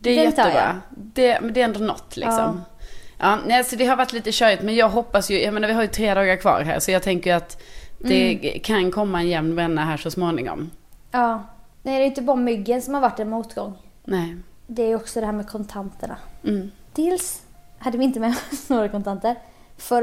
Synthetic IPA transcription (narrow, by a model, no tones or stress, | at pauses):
d̪ɛːjɛt̪ːəbɾɑ̰ːd̪ɛɛd̪ɛːɾɛnd̪ʊnɔ̰t̪ːlɪ̰ksɔ̰mʔɑːnɛɪsɔd̪ɛɦaɾvaʈːliːt̪əɕœːɾɪt̪mɛnjɑːɡɦɔpːasjɵjʔajmeːnavɪɦaɾjɵt̪ʰɾeːd̪ɑːɡaɾkʰvɑ̰ːɾɦæ̰ːɾsɔjɑːɡ̚t̪ʰɛŋkəjat̪d̪̥ɛkʰankʰɔmːaɛnjɛmnvɛnːaɦæːʂɔsmoːnɪŋɔ̰mɑːnæd̪ɛjʏnt̪̬əbɑːɾamʏɡːənsɔmhaɾvaʈːɛnmuːt̪ɡɔŋː | nɛːd̪ɛæɾjɔksɔd̪ɛhæːɾmɛkʰɔnt̪ʰant̪əɳa̰ | d̪̥ʰɪls | had̪ːəvɪɪnt̪əmɛnoːɡɾakɔnt̪ʰant̪əɾ | fœɾ